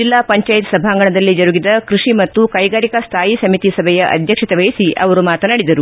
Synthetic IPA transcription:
d͡ʒilːaːpɐɲt͡ʃaːjit̪sɐbʱaːŋɡɐɳɐd̪ɐlːid͡ʒɐɾuɡid̪ɐkɾuʂimɐt̪ːukɐjɡaːɾikɐst̪ʰaːjisɐmit̪isɐbʱɛjɐʔɐ̰d̪ʱjɐkʂɐt̪ɛʋɐjisiʔɐ̰ʋɐɾumaːt̪ɐnɐɽid̪ɐɾu

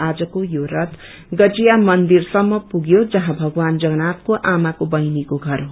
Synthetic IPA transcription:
ad͡zʌkojoɾʌt̪ | ɡʌd͡zijamʌnd̪irsʌmːʌpuɡjod͡zʌɦãbʱʌɡwand͡zʌɡnat̪̚koʔamakobʌjnikoɡʱʌrɦ

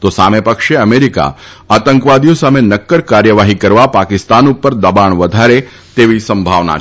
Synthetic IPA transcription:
t̪osamepəkʃeəmeɾika̰at̪əŋkʋad̪ijõsamenəkːəɾkaɾjəʋaɦikəɾʋapakɪst̪anupːəɾd̪əbaɳʋəd̪ʱaɾe | t̪eʋisəmbʱaʋna̰

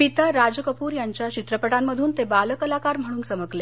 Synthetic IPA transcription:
pit̪aɾad͡zkəpuːɾjaɲt͡ɕjat͡ɕit̪ɾəpəʈamːəd̪ʱuːnt̪ebaləkəlakaɾm̤əɽ̃uːnsəməkle

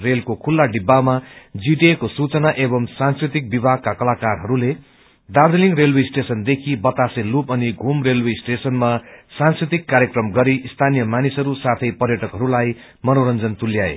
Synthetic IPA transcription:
relkokʰulːaɖibːamad͡ziʈekosut͡sʌnaʔebʌmsanskrit̪ik̚bibʱaɡ̚kakʌlakarɦʌɾule | d̪ard̪eliŋrelwesʈesʌnd̪ekʰibʌt̪aselupʌniɡʱumrelwesʈesʌnmasãnskrit̪ikːaɾjʌkrʌmɡʌɾiʔst̪ʰanijʌmanisʌɾusat̪ʰʌjpʌrjʌʈʌkɦʌɾulaj | mʌnoɾʌnd͡zʌnt̪uljaḛ

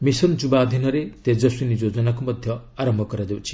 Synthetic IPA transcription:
misʌnd͡zubad̪ʱinʌɾet̪ed͡zʌsunid͡zod͡zʌnakomʌd̪ʱjʌaɾʌmbʱʌkʌɾad̪ewt͡sʰi̥

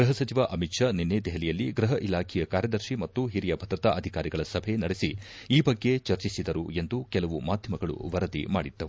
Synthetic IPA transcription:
ɡɾɐɦɐsɐt͡ʃiʋaʔɐmit̪ʃaninːed̪ɛɦɐlijɐlːiɡɾɐɦɐʔilaːkʰɛjɐkaːɾjɐd̪ɐɾʃimɐt̪ːuɦiɾijɐbʱɐd̪ɾɐt̪aʔɐd̪ʱikaːɾiɡɐɭɐsɐbʱenɐɽesi | iːbɐɡːe̞t͡ʃɐɾt͡ʃisid̪ɐɾue̞nd̪ukɛlɐʋumaːd̪ʱjɐmɐɡɐɭṵʋɐɾɐd̪ḭma̰ːɽid̪ːɐu

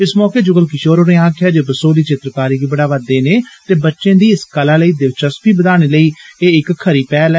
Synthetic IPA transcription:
ɪsmɔːkeːd͡ʒʊɡəlkɪʃoːɾoːɾẽːãːkʰjaːd͡ʒoːbəsoːliːt͡ʃɪt̪ɾəkaːɾiːɡiːbəɽaːʋəd̪ːeːneːt̪eːbətːʃẽːd̪iːɪskəlaːləiːd̪ɪʋt͡ʃəspiːbəd̪aːɽ̃eːləiːeːɪkkʰːəɾiːpɛːlɛ

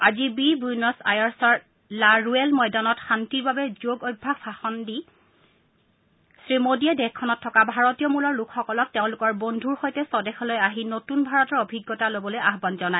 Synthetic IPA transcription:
azibibujnɔsa̰jaɹsɔɹ | laɹuɛlmɔjdanɔtxantiɹbabɛzoɡoj̚bʱasaxɔndi | sɹimodiɛdɛxkʰːɔnɔtʰːɔkabʱaɹɔtijɔmulɔɹlukʰxɔkɔlɔk̚teʊ̃lʊkɔɹbondʱuɹxojtɛsɔdɛxɔlojaɦinotunbʱaɹɔtɔɹobʱiɡːɔtalobɔlojaɦbanzɔnae

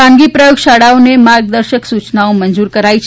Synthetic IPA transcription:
ãŋɡipɾəjoɡʃaɽaonemaɾɡd̪əɾʃəksut͡ʃnaomənd͡ʒuɾkəɾait͡ʃʰ

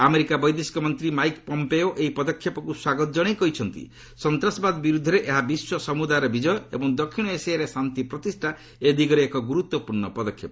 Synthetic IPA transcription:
ameɾikabɔjd̪esi̥kɔmɔnt̪ɾimajkpɔmpeoʔeɦipɔd̪ɔkʰjɔpɔkuswaɡɔt̪ɔd͡ʒɔɽ̃ejkɔɦit͡ʃʰɔnt̪ḭ | sɔnt̪ɾasɔbad̪ɔbiɾud̪ʱːɔɾeʔeɦabiswɔsɔmud̪ajɾɔbid͡ʒɔjɔebɔŋd̪ɔkʰːiɽ̃ɔesɛjaɾesant̪ipɾɔt̪isʈʰa | ed̪ʱikɔɾeekɔɡuɾut̪wɔpuɾɳɔpɔd̪ɔkʰːjɔpɔ

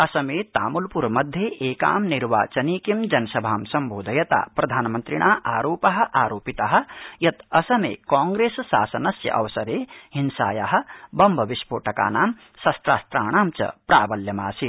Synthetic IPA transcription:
ɐsɐmeːt̪aːmulpuɾmɐd̪ʱːjeʔeːka̰ːmniɾʋa̰ːt͡ʃɐniːkimd͡ʒɐnɐsɐbʱaːmsɐmbʱoːd̪ʱɐjɐt̪a̰ːpɾɐd̪ʱaːnmɐnt̪ɾiɳ̃aːʔaːɾoːpɐɦɐ̆ʔaːɾoːpit̪ɐɦɐ̆jɐt̪ɐsɐmḛːkaːŋɡɾeːssa̰ːsɐnɐsjɐ̰ʔɐ̰ʋɐsɐɾeːɦinsa̰ːjaɦɐ̆bɐmbʱɐʋiʃpo̰ːʈɐka̰ːnaːm | sɐst̪ɾaːst̪ɾaːɳ̃aːmt͡ʃɐ̰pɾaːbɐljɐmaːsi

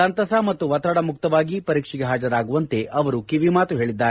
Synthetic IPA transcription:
ɐnt̪ɐsamɐt̪ːuʋɐt̪ɾɐɽɐmuk̚t̪ɐʋaːɡipɐɾiːkʂiɡeɦaːd͡ʒɐɾaːɡuʋɐnt̪e̞ʔɐʋɐɾukiʋimaːt̪uɦe̞ːɭid̪ːaːɾ

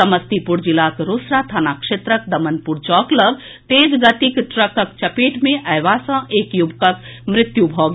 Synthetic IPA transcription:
əməst̪ipuɾd͡ʒilaːt̪ɾosɾat̪ʰanakʂet̪ɾək̚d̪əmənpuɾt͡ʃɔːkləɡ | t̪eːd͡ʒɡət̪ikʈɾəkəkt͡ʃɐpeːʈmẽʔɐʋasə̃eːkjubkəkmɾɪt̪jubʱɔːɡ

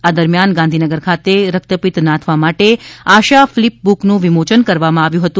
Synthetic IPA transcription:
ad̪əɾmjanɡãnd̪ʱinəɡəɾkʰat̪eɾək̚t̪əpit̪nãt̪ʰʋamaʈeaʃaflip̚buknũʋimot͡ʃənkəɾʋamãaʋjũɦət̪ũ

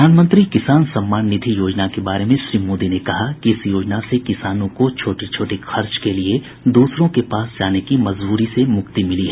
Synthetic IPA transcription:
aːnmə̃nt̪ɾikɪsaːnsɐ̃mːaːnnɪd̪ʱijoːd͡ʒnakebaːɾemẽʃɾiːmoːd̪inekɐɦakkiɪsjoːd͡ʒnasekɪsaːnõkot͡ʃʰoːʈit͡ʃʰoːʈixʰɐɾt͡ʃkelie | d̪uːsɾõkepaːsd͡ʒaːnekimɐzbuːɾisemʊkt̪imɪliɦɛː

